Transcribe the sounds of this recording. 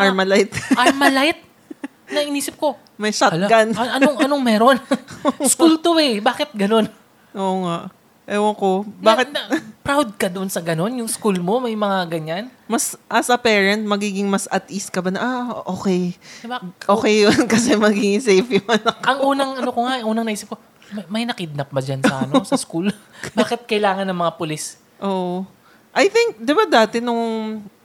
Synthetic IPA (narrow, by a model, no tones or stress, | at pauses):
ʔaɹmɐlajt̪amɐlajt̪̚ | nɐɪniːsɪp̚ko̞ | mɐjʃatlakɐnɐnoŋnoŋmɛːɾo̞nskult̪oɛbaːkɪt̪̚ɡɐno̞n | ʔoːʔoŋaʔ | ʔɛwoko̞baːkɪt̪ɐpɾawd̪̚kɐd̪oʔonsɐɡɐno̞njʊŋskulmo̞mɐjmɐŋaɡɐɲanmɐsʔɐsɐpɛːɹɐnt̪̚mɐɡiːɡɪŋmɐsɐt̪is̚kɐbanɐʔaʔoːkɛjaʔoːkɛjːonkɐsɛmɐɡiːɡɪŋsɛjfjʊmɐnɐkɐŋʔuːnɐŋʔɐnokoŋaʔɐŋʔuːnɐŋnɐʔiːsɪp̚ko | ɐmɐjnɐkɪd̪̚nɐp̚bɐd͡ʒansɐʔɐnosɐskul | baːkɪt̪̚kɐjlaːŋɐnːɐŋmɐŋapʊlis | ʔoːʔo | ʔɐjθɪŋk̚d̪ɪbad̪aːt̪ɛnʊŋ